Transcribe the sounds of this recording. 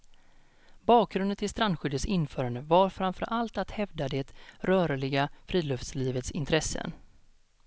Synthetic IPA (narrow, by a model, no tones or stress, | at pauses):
bɑːk̚ɡɾɵnd̪ənt̪ɪlst̪ɾand̪ɧʏd̪əsɪnːfœːɾand̪əvaɾfɾamfœ̰ɾʔalt̪at̪hɛvd̪ad̪eːt̪ɾœːɾɭɪɡafɾiːlɵft̪sliːvət̪sɪ̰nt̪ʰɾɛsːə̰n